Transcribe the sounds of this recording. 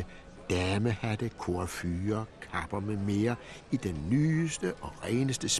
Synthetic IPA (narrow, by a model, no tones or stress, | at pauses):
d̥æməhædəkʰo̝ɑfyːɐkʰɑ̈b̥ɐmeme̝ːɐid̥enːyːsd̥əʔɒ̽ʁɛːnəsd̥əs